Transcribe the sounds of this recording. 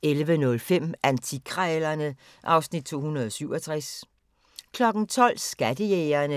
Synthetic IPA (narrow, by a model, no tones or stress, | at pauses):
elʋənɔ̽lfem̰ænt͡sʰikʰʁalɐnə | ʔɑ̈ʊsnid̥̚t͡sʰo̝̰ːhunɐð̞ˠɒ̽syʊ̰ɒt͡sʰʁas | kʰlɒ̽ɡ̥n̩t͡sʰɒ̽l̰sɡ̥æd̥əjeɪɐnə